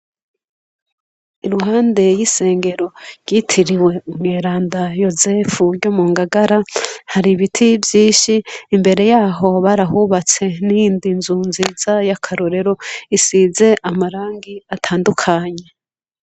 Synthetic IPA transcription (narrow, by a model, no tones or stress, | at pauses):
iɾuhaːnde̞jise̞ːŋɡe̞ɾo̞ɾɡitʰiɾiwe̞umŋeːɾaːndajo̞zefuɾɟomuːŋɡaɡaɾahaɾiβitʰivjiːnʃiːmbe̞ɾe̞jaːɦo̞βaɾahuβat͡se̞nijiːndinzunziz̥ajakʰaɾoɾe̞ɾo̞isize̞ʔamaɾaːŋɡiatʰaːndukʰaɲe̞